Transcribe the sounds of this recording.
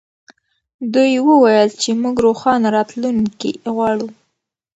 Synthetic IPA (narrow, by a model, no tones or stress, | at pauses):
d̪ujwəwajəlt͡ʃemuɡɾoxɑnaɾɑt̪luŋkḭɣwɑɽu